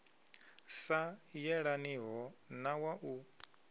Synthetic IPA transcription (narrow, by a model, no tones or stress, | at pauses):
sajɛɺaniɦɔnawaʔu